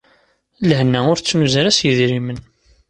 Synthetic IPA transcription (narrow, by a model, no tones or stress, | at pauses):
lhnːæʊɾt͡sːmuzəɾæsjəðɾimən